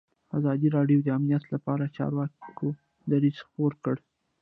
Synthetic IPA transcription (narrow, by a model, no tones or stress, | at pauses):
azɑd̪iɾɑɖjowd̪əamnijat̪lapɑɾat͡ʃɑ̰ɾwɑkkʰo | d̪aɾiz̥xpoɾkəɽ